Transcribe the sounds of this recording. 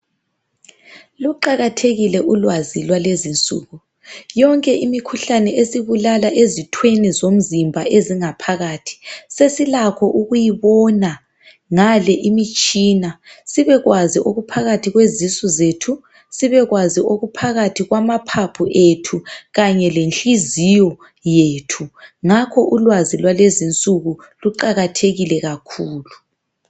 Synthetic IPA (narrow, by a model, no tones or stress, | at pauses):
luǃaɣatʰeɣilɛʔulwazilwalezint͡sʼṵːɣu | jɔŋkʼɛʔimikʰuɬanɛʔesiβulalaʔezitʰwenizom̩zimbʱaeziŋapʰaɣaːtʰi̥sesilakʰɔʔuɣujiβɔna | ŋalɛʔimit͡ʃʼiːnasiβɛɣwaziʔoɣupʰaɣatʰiɣwezisɔzetʰu | siβɛɣwaziʔoɣupʰaɣatʰiɣwamapʰapʰuʔetʰuɣaɲɛlenɬizijɔ | jeːtʰuŋakʰɔʔulwazilwalezint͡sʼuɣu | luǃaɣatʰeɣilɛɣakʰuːlu